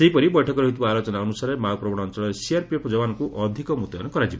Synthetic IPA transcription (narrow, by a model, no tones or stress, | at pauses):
seɦipɔɾibɔjʈʰɔkɔɾɔɦit̪ubaːlot͡ʃɔnaɔnusaɾemaɡɔpɾɔbɔɽ̃ɔːnt͡ʃɔɭɔɾesiaɾpiepʰd͡ʒɔbanɔkuʔɔd̪ʱikɔmut̪ɔ̰nɔkɔɾad͡ʒibɔ